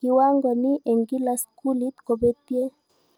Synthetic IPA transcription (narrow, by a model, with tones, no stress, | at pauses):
i˨wa˦ŋɡɔ˨ni˦ʔe˨ŋɡi˦la˨˦sku˦li˦t̪ko˨be˦t̪je˦